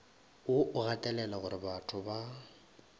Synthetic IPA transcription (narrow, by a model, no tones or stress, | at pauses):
ʊʔʊɣatʼɛlɛlaɣʊɾɪbatʰʊba